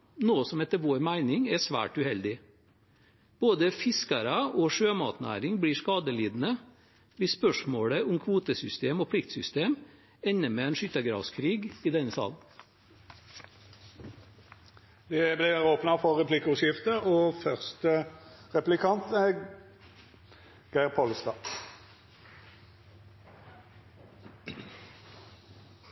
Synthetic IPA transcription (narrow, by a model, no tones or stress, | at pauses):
noːsɔmɛt̪ːəʋoːɾmæɪnɪŋɛsʋæ̰ːʈʉhɛld̪ɪ | b̥oːd̪əfɪskɑɾɑʔoːʂøːmɑ̰ːt̪næ̰ːɾɪŋbɽiːʂkɑːd̪əliːd̪n̩ə | ʋɪsspœʂmoːɽəʔʊmkʰʋuːt̪əsʏst̪eːmoːpʰlɪkt̪sʏst̪eːm | ɛnːəmeːɛːnʃʏt̪əɡɾɑ̰ːʋskʰɾiːɡiːd̪ɛnːəsɑ̰ln̩ | d̪ɛblɪʁoːpnɑfɔʁʁɛpʰlɪkəʉʃjɪft̪əoːfœʁst̪əʁɛplɪkʰɑnt̪æ | ɡ̥æɪʁpʰɔlst̪ɑː